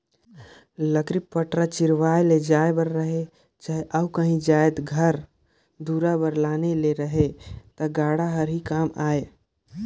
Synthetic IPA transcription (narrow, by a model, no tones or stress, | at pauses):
ləkɾipːəʈɾat͡ʃiɾʋajled͡ʒaebəɾɾəɦe | t͡ʃaɦeʔaukəɦĩd͡ʒajt̪ɡʱəɾ | d̪uɾabəɾlaneleɾəɦet̪əɡaɽaɦəɾɦikamaːe